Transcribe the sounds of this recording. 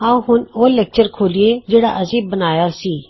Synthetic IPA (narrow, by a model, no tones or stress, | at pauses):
ãːũɦʊnoːlɛːk̚t͡ʃəɾkʰoːlieːd͡ʒeːɽa̰ːʔəsiːbənaːjaːsiː